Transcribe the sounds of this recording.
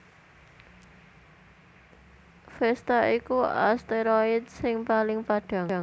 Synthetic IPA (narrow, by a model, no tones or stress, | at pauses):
fɛst̪aikua̰st̪eɾɔɪd̪̚sɪŋpalɪŋpaɖ̥a̤a